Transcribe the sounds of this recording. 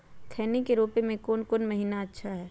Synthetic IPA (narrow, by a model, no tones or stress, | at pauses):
t̪ʰɛːnekeɾoːpemẽkoːnkonmɐɦiːnaɐtːʃʰaɦɛː